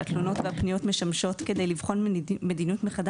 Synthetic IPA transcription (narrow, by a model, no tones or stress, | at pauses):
at̪lono̞tveapnijo̞tme̞ʃamʃo̞tke̞de̞jlivχo̞nme̞d̪inutmeχad